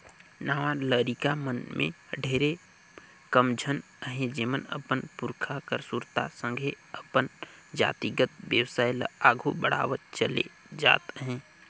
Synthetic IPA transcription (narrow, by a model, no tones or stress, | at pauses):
naːʋaləːɾikamənmḛ̃əɖʱeːɾe | kəmd͡ʒʱən | ɦẽd͡ʒeːmənə̰pənpʊɾkʰakəɾsuɾt̪a̰sə̃ŋɡʱe | əpən | d͡ʒa̰ːt̪iɡət̪ʋjəwsaːjl̰aːɡʱubəɽ̤a̰ːwət̚t͡ʃəlḛ | d͡ʒa̰ːt̪ɦɛ̃ː